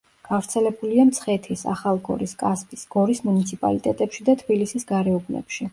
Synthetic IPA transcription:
ɡ̥avɾt̪sʰɛlɛbuliamt̪sʰχɛt̪ʰisa̰χalˠɡɔ̰ɾiskʼaspʼisɡ̥ɔɾismunit̪sʰipʼa̰lit̪ʼɛt̪ʼɛpʃid̪at̪ʰbilisisɡaɾɛɔbnɛ̰pʃi

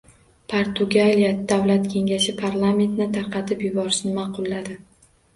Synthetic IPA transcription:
pʰoɾt̪ʰʊɡalijad̪̥awlat̪kʲʰe̞ŋʲaʃɪpʰaɾlˠame̞nt̪nɪt̪ʰaɾqʰɑt̪ʰɪpjʊbɒɾɪʃnɪmɑqʰʊlˠːad̪ɪ

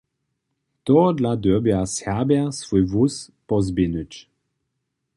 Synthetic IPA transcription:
t̪ɔd̪lad̪øbjashabʲasvujvus | pɔzbʲinut͡ɕ

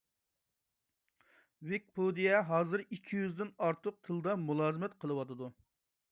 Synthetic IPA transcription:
wɪk̚pʰod̪ijɛɦɑːzɨɾikʲʰːijyzd̪ɪnɑɾt̪ʰəq̚t̪ʰɨlˠɨd̪ɑmulˠɑːzɨmɛt̪qʰəlˠɨwɑt̪ʰɨd̪u

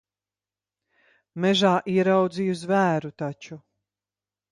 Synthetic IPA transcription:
mɛʒaːʔiɛɾawd̪ziːjuzvæːɾut̪at͡ʃu

